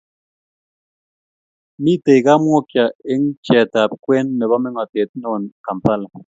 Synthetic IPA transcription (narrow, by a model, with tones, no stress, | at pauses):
mi˦˨te˨jka˦mwɔ˦kja˨e˦ŋ̩˦t͡ʃɛ˨ta˨p̚kwɛ˦nːe˨βa˦me˦ŋɔ˨te˨t̚nɔ˨n˨ka˨m̩˨pa˦la˨